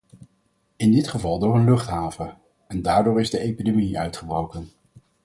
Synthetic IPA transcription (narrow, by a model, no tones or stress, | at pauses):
ɪndɪtχəvɑlˠdʊːɹənlɵχtɦaːvə | ɛndaːɹdʊːɹɪzdəʔejpidemiʔœɥtχəbrowkən